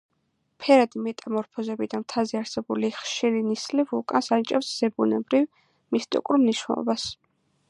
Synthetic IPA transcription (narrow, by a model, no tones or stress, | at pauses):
pʰɛɾad̪imɛt̪ʼamɔɾpʰɔzɛbid̪amt̪ʰazɛaɾsɛbuliχʃiɾinislivukʼansant͡ʃʼɛfsz̥ɛbunɛ̰bɾiv | mist̪ʼḭkʼuɾmniʃnɛ̰lˠɔ̰bas